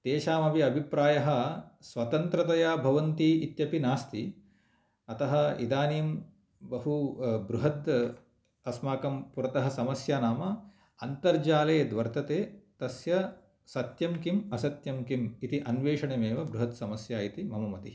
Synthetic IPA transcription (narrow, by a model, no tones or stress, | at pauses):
t̪eːʃaːmɐbʱiɐbʱipɾaːjɐɦɐ̆sʋɐt̪ɐnt̪ɾɐt̪ɐjaːbʱɐʋɐnt̪iːit̪jɐpinaːst̪i | ɐt̪ɐɦɐ̆ḭd̪aːniːm | bɐɦubɾuɦɐd̪ | ɐsmaːkɐmpuɾɐt̪ɐɦɐsɐmɐsjaːnaːmɐ | ɐnt̪ɐɾd͡ʒaːleːd̪ʋɐɾt̪ʰɐt̪eːt̪ɐsjɐ | sɐt̪jɐmkimɐsɐt̪jɐmkimit̪iʔɐnʋeːʂɐɳemeːʋɐbɾuɦɐt̪sɐmɐsjaːit̪imɐmɐmɐt̪i